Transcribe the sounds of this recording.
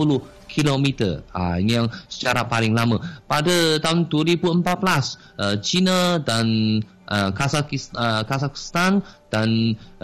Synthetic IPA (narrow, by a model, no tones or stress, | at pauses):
uluh | kʰilomit̪ə̰a̰inijaŋsə̥t͡ʃaɾapalɪŋlaməpadət̪aɦʊnt̪uəɾibuəmpat̪̚bəlas | ʔət͡ʃinadan | ʔəkasakisəkasaki̥st̪and̥an